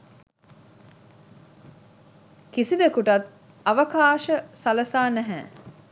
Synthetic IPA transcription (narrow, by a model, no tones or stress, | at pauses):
kisiʋekuʈɐt̪ | ɐʋəkaːʃəsɐləsaːnæɦɛ̰ː